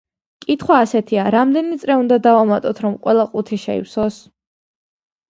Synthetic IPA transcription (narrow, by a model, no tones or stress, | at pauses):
kʼit̪ʰχwaːsɛt̪ʰiaɾamd̪ɛnit̪sʼɾɛund̪ad̪avamat̪ʼɔt̪ʰɾɔmqʼwɛlˠaqʼut̪ʰiʃɛḭwsɔs